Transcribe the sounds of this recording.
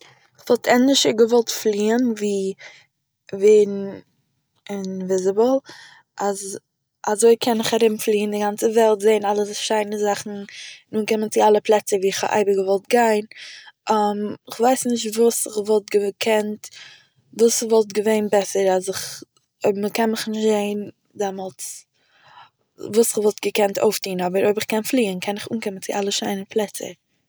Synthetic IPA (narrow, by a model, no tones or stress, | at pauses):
ɪχvɔlˠtʰɛnɪʃəɡəvɔlˠtflˠiːənviː | veɪn̩ | ɪnvɪzɪbəl̩ˠ | ʔaz | azoɪkʰɛnɪχaɾɪmflˠiːəndɪɡant͡səvɛlˠtzeɪnalˠəsʃaɪnəzaχn̩nuːnkɪmənt͡sɪalˠəplˠɛt͡səviːɪχha̰ʔa̰ɪbəɡəvɔlˠt̚ɡaɪnʔamɪχvaɪsnɪʃtvuːsɪχvɔlˠt̚ɡəkʰɛnt | vuːsɪχvɔlˠtɡəveɪnbɛsəɾasɪχ | məkɛnmɪχnɪʃtzeɪn | dɛmɔlˠt͡s | vuːsɪχvɔlˠt̚ɡ̥əkɛntʰo̰ʊftiːnɔbəɾoɪbɪχkɛnflˠiːənkʰɛnɪχuːnkɪmənt͡sɪʔalˠəʃaɪnəpʰlˠɛt͡sə̰